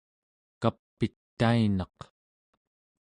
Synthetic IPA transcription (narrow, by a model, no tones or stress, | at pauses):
kapːit̪ːainɑq